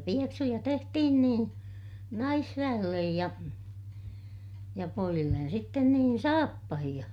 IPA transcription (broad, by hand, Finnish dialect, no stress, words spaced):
pieksujɑ tehtihin niː nɑisʋæj̆elːej jɑ jɑ poijilːen sitːen niːn sɑːpːɑhij̆ɑ